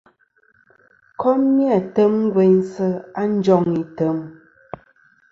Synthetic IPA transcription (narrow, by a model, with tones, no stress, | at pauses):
kɔ˦mːi˦a˨tə˦mŋ˦ɡwɛ˨˦ɲsə˦a˦n̩˦d͡ʒɔ˦˨ŋi˨tə˨˦m